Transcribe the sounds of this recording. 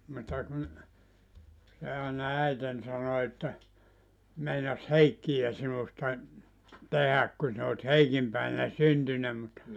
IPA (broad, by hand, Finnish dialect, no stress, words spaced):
mutːɑ kun se ɑˑenɑ æiten sɑno etːæ meinɑs heikːij̆æ sinustɑ tehæk kun sin ot heikim pæˑiʋ̆ænæ syntynæ mut